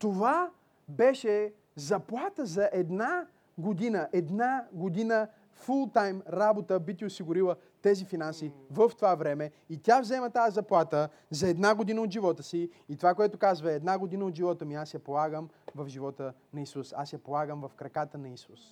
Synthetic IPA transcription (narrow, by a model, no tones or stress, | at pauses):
t̪ova | bɛʃɛ | zɐplˠat̪əzɐʔɛd̪na | ɡod̪inəʔɛd̪naɡod̪inə | fulˠt̪ajmɾabot̪əbit̪iʊsiɡʊɾilˠə | t̪ɛzifinansivəft̪ovavɾɛmɛ | it̪ʲavzɛmət̪azɐplˠat̪ə | zɐɛd̪naɡod̪inəot̪d̪ʒivɔt̪əsiːt̪ovakoɛt̪okazvɐɛɛːd̪naɡod̪inəod̪ʒivɔt̪əmiasjɐpolˠaɡəm | vɐfʒivɔt̪ənɐisusa̰sjɐpolˠaɡəmvɐfkɾɐkat̪ənɐisus